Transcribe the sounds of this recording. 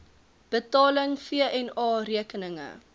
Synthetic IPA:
b̥ətɑːləŋfiəʔɛnɑːriəkənəŋə̰

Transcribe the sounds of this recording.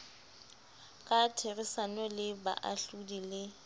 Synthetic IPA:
kʼatʰerisanɔlɪba̰ʔa̰ɬudilɪ

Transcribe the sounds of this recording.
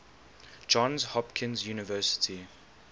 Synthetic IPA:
d͡ʒɔ̃nzhɔpkʰɪ̃nzjuːnɪvɜːˑsɪ̥tʰi

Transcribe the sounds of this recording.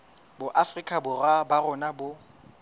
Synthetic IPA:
bʊʔafrikʼabʊrabarʊnabʊ

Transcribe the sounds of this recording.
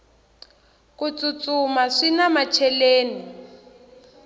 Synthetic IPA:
kʼut͡sʼut͡sumaʂinamat͡ʃʰɛleːni

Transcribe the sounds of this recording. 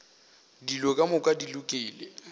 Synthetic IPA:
dilɔkʼamʊkʼadilʊkʼiːle

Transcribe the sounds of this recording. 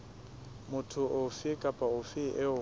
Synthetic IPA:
mʊtʰʊʔʊfɪkʼapʼaʊfɪʔɪʊ

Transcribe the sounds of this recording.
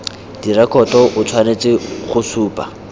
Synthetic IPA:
d̥irɛkʼɔtɔʔʊt͡sʰwanet͡sʼɪχʊsuːpʼa̰

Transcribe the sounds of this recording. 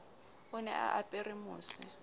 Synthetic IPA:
ʊnɛʔa̰ʔapʼɪrɪmʊːsɪ

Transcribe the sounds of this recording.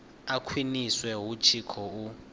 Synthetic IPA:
akʰwiniswɛɦut͡ʃʰikʰɔu

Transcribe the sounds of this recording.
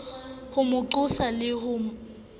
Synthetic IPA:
hʊmʊǃʊsalɪhʊm

